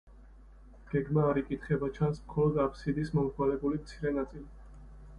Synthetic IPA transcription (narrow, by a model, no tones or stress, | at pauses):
ɡ̥ɛɡmaːɾikʼit̪ʰχɛbat͡ʃʰansmχɔlɔd̪apʰsid̪ismɔmχʰwalɛbulimt̪sʰiɾɛnat̪sʼili